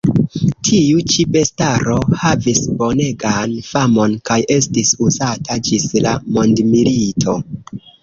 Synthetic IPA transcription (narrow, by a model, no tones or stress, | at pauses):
tʰiut͡ʃipe̞staɾo̞havisbo̞ne̞ɡanfamo̞nkajʔe̞stisuzatʰad͡ʒislamo̞ndmilitʰo̞